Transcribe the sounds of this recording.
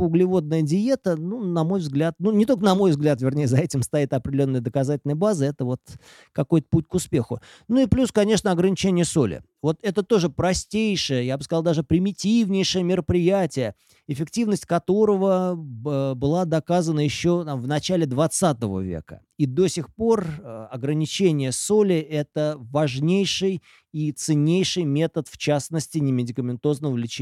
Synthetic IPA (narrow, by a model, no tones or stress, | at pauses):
ʊɡlʲɪvo̞d̪̚nəjədʲɪje̞t̪ənunɐmo̞jvzɡlʲat̪̚nunʲɪt̪o̞lʲkənɐmo̞jvzɡlʲat̪vʲɪrnʲejəzɐɛtʲɪmst̪ɐit̪ɐpɾʲdʲɪlʲo̞nːəjəd̪əkɐzatʲɪlʲnəjəbazəɛt̪əvo̞t̪ | kɐko̞jt̪ə̥put̚ʲkʊspʲe̞xʊ | nuɪplʲuskɐnʲe̞ʂnəɐɡɾənʲɪt͡ɕenʲɪjəso̞lʲɪ̰ | vo̞t̪ɛt̪ət̪o̞ʐɨpɾɐsʲtʲejʂɨjəjabɨskɐzɑlˠd̪aʐɨpɾʲɪmʲɪtʲivnʲɪjʂəjəmʲɪɾəpɾʲɪjætʲɪjə | ɪfʲɪktʲivnəsʲtʲkɐt̪o̞ɾəvə | bɨlˠad̪ɐkazənəjɪɕːo̞t̪amvnɐt͡ɕælʲɪd̪vɐt̪sat̪əvə̰vʲḛkə̰ | id̪o̞sʲɪxpo̞rɐɡɾənʲɪt͡ɕenʲɪjəso̞lʲɪʔɛt̪əvɐʐnʲejʂɨj | it̪sɨnʲejʂɨjmʲe̞t̪ət̪ft͡ɕasnəsʲtʲɪnʲɪmʲɪdʲɪkəmʲɪnt̪o̞znəəvlʲɪt͡ɕ